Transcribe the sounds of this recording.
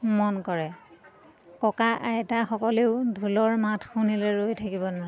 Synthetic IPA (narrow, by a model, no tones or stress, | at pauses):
mɔnkɔɹɛ | kɔkaʔaɛtaxɔkɔleʊdʱulɔɹmatʰxunilɛɹojtʰakibɔnɔɹɛ